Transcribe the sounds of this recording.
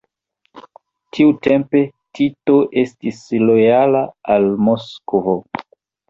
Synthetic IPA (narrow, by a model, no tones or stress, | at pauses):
tʰiute̞mpe̞ | tʰito̞ʔe̞stislo̞jalaalmoskovo